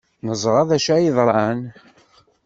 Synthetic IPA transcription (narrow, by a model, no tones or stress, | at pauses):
nəzˤɾˤɑðæʃæjiðˤɾˤɑn